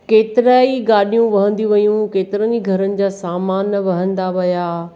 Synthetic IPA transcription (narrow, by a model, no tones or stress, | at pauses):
keːt̪ɪɾaːiɡaːɗijũʋɐɦə̃nd̪iʋɐjũkeːt̪ɪɾəniɡʱɐɾənɪ̆d͡ʑaːsaːmaːnʋɐɦə̃nd̪aʋɐjaː